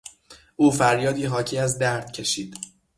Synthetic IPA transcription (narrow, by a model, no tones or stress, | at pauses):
ʔuːfæɾjɒːd̪iːɦɒːcʰiːæzd̪æɾd̪̥̚cʰe̞ʃiːd̪̥